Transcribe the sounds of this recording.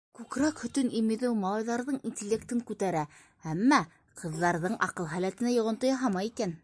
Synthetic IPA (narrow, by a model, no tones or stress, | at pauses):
kʉkɾækhɵ̆t̪ɵnimĭðɘwmɑlˠɑjðɑɾðɤɴinʲtʲɪlʲːek̚t̪ɘŋkʉt̪æɾæ | æmːæ | qʰɤ̆ðːɑɾðɤɴʔɑ̰qɤlˠɦælæt̪ɘ̆næjŏʁŏnt̪ojɑɦɑmɑjikæn